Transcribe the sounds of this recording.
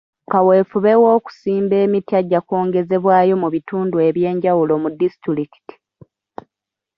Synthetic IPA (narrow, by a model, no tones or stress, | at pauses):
kawe̞ːfuβe̞wo̞ːku̥siːmbe̞ːmitjaɟːako̞ːŋɡe̞ze̞βwaːjo̞muβituːndue̞βje̞ːɲɟawulo̞mudisitɾiki̥ti̥